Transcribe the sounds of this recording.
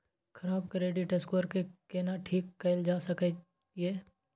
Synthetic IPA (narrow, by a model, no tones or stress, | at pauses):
kʰɐɾaːbkɾeːɖiʈeskoɾkekenaʈʰiːkːəɪld͡ʒaːsəke | eː